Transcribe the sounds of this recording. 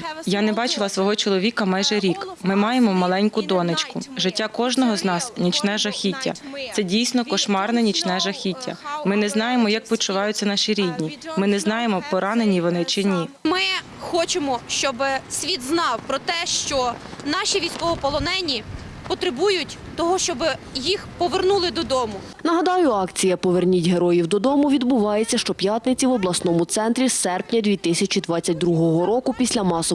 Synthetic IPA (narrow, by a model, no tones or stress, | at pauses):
janɛbɑt͡ʃɪlˠɐsʋɔɦɔt͡ʃɔlˠɔʋʲikɐmɑjʒɛɾʲikmɪmɑjemɔmɐlˠɛnʲkʊd̪ɔnɪt͡ʃkʊʒɪtʲːakɔʒnɔɦɔznɑsnʲit͡ʃnɛʒɐxʲitʲːɐ̰t̪sɛdʲijsʲnɔkɔʃmɑrnɛnʲit͡ʃnɛʒɐxʲitʲːɐ̰mɪnɛznɑjemɔjɐk̚pʲit͡ʃːʊʋɑjʊtʲt͡sʲːɐnɑʃiɾʲidʲnʲimɪnɛznɑjemɔpɔɾɑnenʲiʋɔnɪt͡ʃɪnʲimɪ | xɔt͡ʃemɔʃt͡ʃɔbɪsʲʋʲid̪znɑwpɾɔt̪ɛʃt͡ʃɔnɑʃʲiʋʲijsʲkɔʋɔpɔlˠɔnɛnʲi | pɔt̪ɾɪbujʊtʲ | t̪ɔɦɔʃt͡ʃɔbɪ | jixpɔʋernulˠɪd̪ɔd̪ɔmʊ | nɐɦɐd̪ɑjʊɑkt͡sʲijɐpɔʋernʲitʲɦeɾɔjiwd̪ɔd̪ɔmʊʋʲid̪bʊʋɑjet͡sʲːɐʃt͡ʃɔpʲjat̪nɪt͡sʲiʋɔblˠɐsnɔmʊt̪sɛnt̪ɾʲisɛrpnʲɐd̪ʲʋʲit̪ɪsʲɐt͡ʃʲid̪ʋɑt͡sʲːɐt̚ʲd̪ɾuɦɔɦɔɾɔkʊpʲisʲlʲɐmɑsɔ